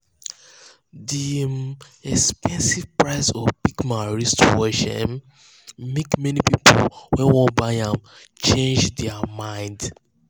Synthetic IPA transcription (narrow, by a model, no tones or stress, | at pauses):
di | ɛkspɛ̃nsivpɹaɪsɔvpikmãɹɛstoeʃɔ̰̃n | mekmɛnipipʰo̰wɛ̃nwɔ̃baãm | t͡ʃẽnd͡ʒdɛamãɪ̃nd